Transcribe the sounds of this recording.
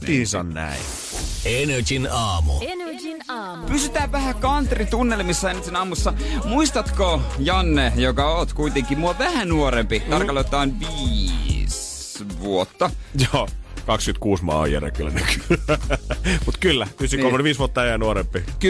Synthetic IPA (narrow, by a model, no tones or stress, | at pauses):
iːsɑ̰nnæ̰i | ened͡ʒinɑːmṵ | pysyt̪æːʋʋæhækɑnt̪rit̪unːelmisːɑenesinɑːmusːɑmuist̪ɑt̪kojɑnːejokɑoːt̪kuit̪eŋkimuɑʋæhænuoɾempit̪ɑrkɑlot̪ːˑɑːnʋiːs | ʋuot̪ːɑjoːkɑkskynt̪kuːsmɑ̰ːjæ̰rḛkːylːæ̰nyky | mut̪kylːæpysynkomonʋiːsʋuot̪ːɑejænuoɾempːik